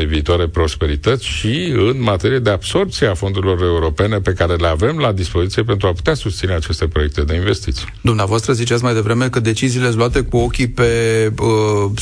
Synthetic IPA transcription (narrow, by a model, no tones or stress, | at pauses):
eviːt̪oaɾe̞pɾo̞spe̞ɾit̪ət̪sʲʃiɨnmat̪e̞ɾijed̪e̞ab̥so̞rp̚t̪sieafo̞nd̪uɾilo̞ɾe̞uɾo̞pene̞pe̞kaɾe̞le̞ave̞mlad̪ispo̞zit̪sije̞p̬e̞nt̪ɾuapu̥t̪easust̪sineat͡ʃe̞st̪e̞pɾo̞jek̚t̪e̞d̪e̞inve̞st̪it̪sijd̪umneavoast̪ɾəzit͡ʃat̪s̬majd̪e̞vɾe̞me̞kəd̪e̞t͡ʃiziːle̞sloat̪e̞kuo̞kʲipe̞ə